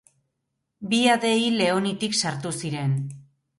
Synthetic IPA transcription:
biaðe̞ile̞o̞nit̪iksaɾt̪usiɾe̞n

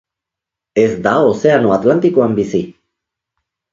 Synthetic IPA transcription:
e̞zd̪aose̞ano̞at̪lant̪ikoambisi

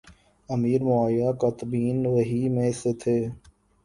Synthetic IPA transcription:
əmiːɾmʊaːjaːkaːt̪əbiːnʋəɦiːmẽːset̪ʰeː

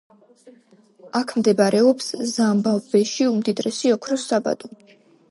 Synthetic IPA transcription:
akʰmd̪ɛbaɾʔɛɔpszambavbɛʃiumd̪id̪ɾɛsiɔkʰɾɔsaba̰d̪ɔ

